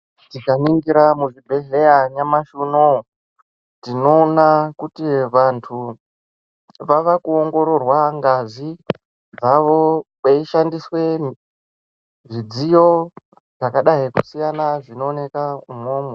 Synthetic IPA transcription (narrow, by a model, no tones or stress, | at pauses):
tikaniŋɡiɾamuʐibʱeɮejaɲamaʃuno | tino̞ːnakutiʋantʰu | ʋaʋakuoŋɡo̞ɾo̞rwaŋɡazi | d͡zaʋo̞ɓeiʃandiswe̞n | ʐid͡zijo | ʐakaɗaikusijanaʐino̞ːne̞kaumoːmwe